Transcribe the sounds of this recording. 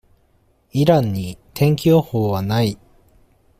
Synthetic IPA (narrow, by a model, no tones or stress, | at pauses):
iɾãɲ̟ːit̪ʰẽ̞ŋkʲoːhoːβanai